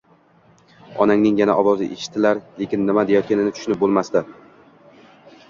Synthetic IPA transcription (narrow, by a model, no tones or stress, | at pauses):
ɒnaŋnɪŋjanaʔɒvɒzɪʔeʃɪ̥t̪ʰːɪlaɾle̞kʲɪnːɪmad̪ejɒt̪̚kʲʰanɪnɪt̪ʰʊ̥ʃnɪp̚bolˠmast̪a